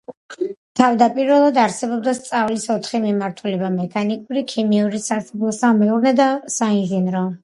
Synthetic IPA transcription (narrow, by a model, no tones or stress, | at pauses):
t̪ʰavd̪apʼiɾvɛlˠad̪aɾsɛbɔb̚d̪ast̪sʼavlisɔt̪ʰχimimaɾt̪ʰulɛbamɛkʰanikʼuɾikʰimiuɾisasablˠɔsamɛuɾnɛd̪asainʒinɾɔ